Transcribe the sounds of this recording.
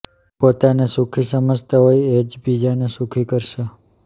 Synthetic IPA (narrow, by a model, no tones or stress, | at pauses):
pot̪anesukʰisəməd͡ʒt̪əɦojed͡ʒbid͡ʒanesukʰikəɾʃe